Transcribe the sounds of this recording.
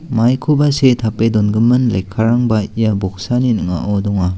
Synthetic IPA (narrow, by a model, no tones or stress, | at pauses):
majkʰubasetʰapedɔnɡɯmɯnla̰jkʰaɾaŋbajabɔk̚saninɯŋa̰ʔɔdɔŋa